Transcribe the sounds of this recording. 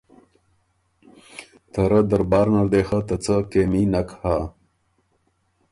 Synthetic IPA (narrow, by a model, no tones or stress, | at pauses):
t̪əɾəd̪əɾbɑːɾnaɾd̪eːxət̪ət͡səkeminakha